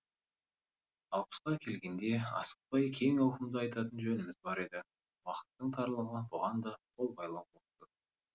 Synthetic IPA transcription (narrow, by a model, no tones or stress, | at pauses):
ɑlˠpə̥sqɑkʲʰe̞lɡʲe̞nd̪e̞ɑ̰sə̥q̚pɑjkʲʰe̞ŋɑwqəmd̪əɑjt̪ɑt̪ənʒɵnɪmɪzbɑɾe̞d̪ɪ | wɑqə̥t̪ːəɴt̪ʰɑɾlˠəʁəbʊʁɑnd̪ɑqʰo̞lˠbɑjlˠɑwot̪ə